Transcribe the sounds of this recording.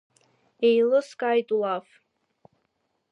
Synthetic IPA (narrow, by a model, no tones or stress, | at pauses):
ejlɨskʼajtʼulaf